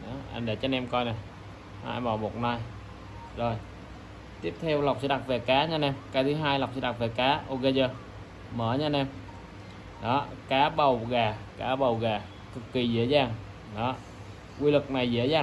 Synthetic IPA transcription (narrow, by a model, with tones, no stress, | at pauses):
ɗɔ˨˦ʔa̰˧nɗe˧˩t͡ɕɔ˧nɛ˧mkɔ˧jna˨˩j | ʔa̰˧mɓɔː˨˧˩mo˨˩t̚na˧j | zo˨˩j | t̪i˦˥əp̚t̪ʰɛ˧wla˨˩wk͡p̚sɛ̰˧˥˦ɗa˨˩t̚ve˨˩kaː˨˦ɲa˧nɛ˧mkaː˨˦jt̪ʰɨ˨˦ɦaː˧jla˨˩wk͡p̚sɛ̰˧˦ɗa˨˩t̚ve˨˩kaː˨˦ʔo˧ɣə˧zəː˧ | məː˧˩ɲa˧nɛ˧m | ɗɔ˨˦kaː˨˦ɓə˨˩wɣaː˨˩kaː˨˦ɓə˨˩wɣaː˨˩ | kɨ˨˩kːi˨˩zə̰˧˥əzaː˨˩ŋ | ɗɔ˨˦ | kwi˧lɨ˨˩k̚na˨˩jzḛ˧˥əzaː˨˩